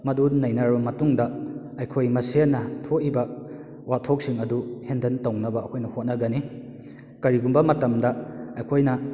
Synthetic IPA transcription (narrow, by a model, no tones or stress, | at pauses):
mɐdunɐjnɐɾbɐmɐtuŋdɐ | ɐjkʰojmɐsenːɐtʰoʔibɐ | watʰok̚siŋɐduhendɐntownɐbɐɐkʰojnɐhot̚nɐɡɐni | kɐɾiɡumbɐmɐtɐmdɐɐjkʰojnɐ